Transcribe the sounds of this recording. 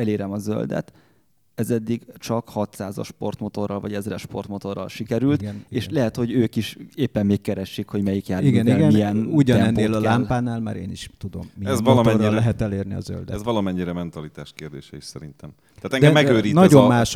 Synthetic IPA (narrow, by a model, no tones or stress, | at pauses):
ɛleːɾɛmɒzø̰ld̪ɛ̰t̪ | ɛzɛd̪ːiɡt͡ʃɒkhɒt̪saːzɒ̰ʃpo̞̰rt̪mo̞t̪o̞rːɒlvɒɟɛzrɛʃpo̞̰rt̪mo̞t̪o̞rːɒ̰lʃikɛɾylt̪neːʃlɛɦɛt̪ho̞ɟøːkiʃeːpːɛmːeːkkːɛɾɛʃːikho̞ɟmɛjikjaːiɡɛniɡɛnmijɛnuɟɒnɛnːeːlɒlaːmpaːnaːlma̰ːɾeːniʃt̪ud̪o̞mːiɛzlɔɛlɛɦɛt̪ɛleːrniɒ̰zø̰ld̪ɛɛzʋɒlɒmɛɲːiɾɛmɛnt̪ɒlit̪aːʃkeːrd̪ḛːʃɛiʃsɛɾint̪ɛmaːt̪ɛŋd̪ɛmːɛɡøːɾiːnɒɟommaːʃ